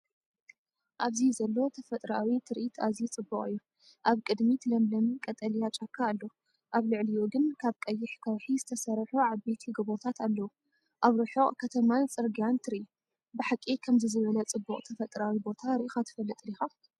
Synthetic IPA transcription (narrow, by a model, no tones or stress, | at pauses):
ʔaβzizɐlːo̞t̪ʰɐfɐt̪ʼɾawit̪ʰɨɾʔit̪ʰazit͡sʼɨbːukʼɨjːu | ʔaβkʼɨd̪mit̪ʰlɐmlɐmkʼɐt̪ʼɐlijat͡ʃʼakʰːaːlːo | ʔaβlɨʕlijoɡɨnkʰaβkʼɐjːɪħkʰɐwħizɨt̪ʰɐsɐɾħuʕaβbet̪ʰiɡɐβo̞t̪ʰat̪alːɐwu | ʔaβɾɨħoʔʼkʰɐt̪ʰɐmant͡sʼɨɾɡjant̪ʰɨɾʔi | bɨħakʼːikʰɐmzɨzɨβlɐt͡sʼɨbːuqʼt̪ʰɐfɐt̪ʼɾawibo̞t̪ʰaɾɨʔixat̪ʰɨ̥fɐlːɨt̪ʼlixa